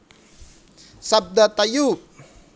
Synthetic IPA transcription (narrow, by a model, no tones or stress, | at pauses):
sab̚d̪at̪ajup̚